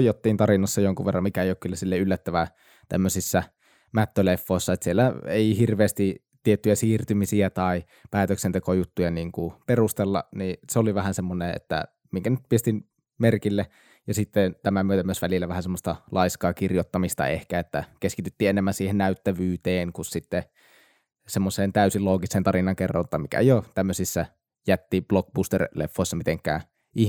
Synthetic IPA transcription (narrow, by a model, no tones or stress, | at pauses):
jˑot̪ːiːnt̪ɑrinɑsːɑjoŋkuʋerːɑmmikæeˑjoˑkːylːæsilːeylːæt̪ːæʋæ | t̪æmːøsisːæ | mæt̪ːølefːoˑesːɑet̪sielːæeˑihirʋeːst̪it̪iet̪ːyjæsiːrt̪ymisiæt̪ɑi | pæːt̪øksent̪ekojut̪ːujɑniːŋkuperust̪elːɑ̰niseoliʋæhænsemːoneḛt̪ːæ̰ | miŋkænyt̪̚piest̪in | merkilːe | jɑsit̪ːent̪æmæmyøt̪æmyøsʋælilːæʋæhænsemːˑost̪ɑlʔɑiskɑːkirjot̪ːɑmist̪ɑ̰ḛhkæet̪ːækeskit̪yt̪ːiːenemːænsiːhennæyt̪ːæʋyːt̪eːnkussit̪ːe | semːoseːnt̪æˑysiloːɡisˑent̪ɑrinːˑɑŋkerːɑ̰nt̪ːɑmikæ̰jot̪æmːøsisːæ | jæt̪ːib̥lok̚bust̪erlḛfːoisːɑmit̪eŋkːˑæ̰ː | ʔi